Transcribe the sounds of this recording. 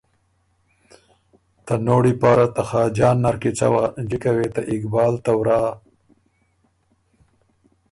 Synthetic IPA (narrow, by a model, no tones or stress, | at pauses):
t̪anoːɽipaːɾat̪axɑːd͡ʒɑːnːaɾkit͡sa̰wad͡ʒikawet̪aʔɪkbɑːlt̪awɾaː